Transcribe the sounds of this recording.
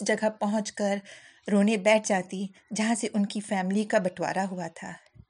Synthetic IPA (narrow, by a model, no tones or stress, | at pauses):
d͡ʒɐɡəpɐɦʊ̃t͡ʃkɐɾ | ɾoːnebɛːʈ̚ʰd͡ʒaːt̪id͡ʒɐɦãseʔʊnkifɛːmlikabɐʈʰwa̰ːɾaɦuat̪ʰa̰ː